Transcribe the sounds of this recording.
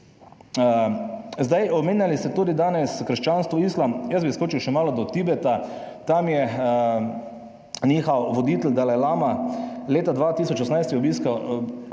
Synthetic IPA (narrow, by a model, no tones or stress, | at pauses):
zd̪ajʔɔmeːnʲjalist̪ɛt̪uːd̪id̪aːnɛskɾʃt͡ʃaːnst̪ʋɔiːslamjəsbiskoːt͡ʃiwʃɛmaːlɔd̪ɔt̪ibɛt̪at̪amjɛ | niːxawʋɔd̪iːt̪ɛld̪alɛlaːmaleːt̪ad̪ʋat̪isɔt͡ʃɔsnajst̪jɛɔbiːskaw